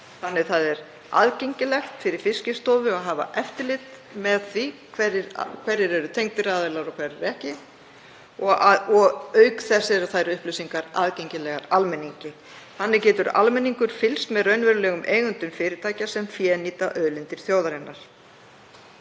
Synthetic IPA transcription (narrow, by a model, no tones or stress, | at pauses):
θanːɪðθaðɛɾ | a̰ðcejɲcɪlɛxt̪fɪɾɪɾ̥fɪscɪst̪oːvʏaðɦaːva̰ʔɛft̪ɪlɪt̪ | mɛðθvikʰvɛrɪɾkʰvɛɾɪɾɛɾʏt̪ʰejŋk̚t̪ɪɾaːðɛlaɾɔkʰvɛɾɪɾɛhcɪ | ɔaɔɣœɥkθɛsːɛɾaθajɾʏhplœwsiŋkaɾaðcejɲcɪlɛɣaɾalmɛnːiɲcɪ | θanːɪcɛːt̪ʏɾa̰lmɛnːiŋkʏɾ̥fɪlst̪mɛðrœɥnvɛɾʏlɛːɣʏmʔeːjɣʏnt̪ʏmfɪːɾɪɾt̪ʰaːjcasɛmfjɛːniːt̪aʔœðlɪnt̪ɪɾ̥θjowðaɾɪnːaɾ̥